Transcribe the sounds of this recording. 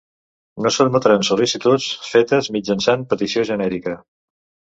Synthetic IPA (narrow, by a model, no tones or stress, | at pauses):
nosonmot̪ɾansulisit̪ut͡sfet̪əzmid͡ʒənsanpət̪isioʒənɛɾikə